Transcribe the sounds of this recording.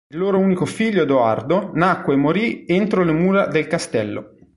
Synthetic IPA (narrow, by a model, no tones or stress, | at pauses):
ilːoːɾouːnikofiʎːod̪oa̰rd̪onakweːmːoɾient̪ɾolemuːɾad̪elkast̪ɛlːo̰